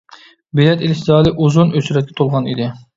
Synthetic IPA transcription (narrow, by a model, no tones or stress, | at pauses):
belɛt̪elɪʃzɑːlˠɨʔuzunøt͡ʃʰyɾɛt̪̚kʲɛ̥t̪ʰolˠʁɑnḭd̪ɪ